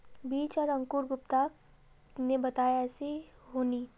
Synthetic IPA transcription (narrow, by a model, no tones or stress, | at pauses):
biːt͡ʃɔɾɐ̃ŋkuːɾɡʊpt̪aːk | nebɐt̪aːjaɛːsi | ɦoːniː